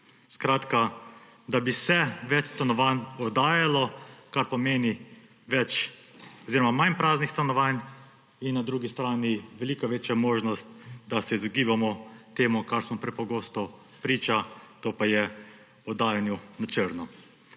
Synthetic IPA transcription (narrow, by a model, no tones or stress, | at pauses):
skɾaːt̪ka | d̪abisɛʋɛt͡ʃst̪anɔʋanɔd̪aːjalɔkaɾpɔmeːni | ʋɛt͡ʃ | ɔziːɾɔmamajnpɾaːznixst̪anɔʋan | inːad̪ɾuːɡist̪ɾaːniʋɛliːkɔʋeːt͡ʃjamoːʒnɔst̪̚d̪asɛizɔɡiːbamɔt̪eːmukaɾsmɔpɾɛpɔɡoːst̪ɔ | pɾiːt͡ʃat̪oːpajɛ | ɔd̪aːjanjunat͡ʃəɾnɔ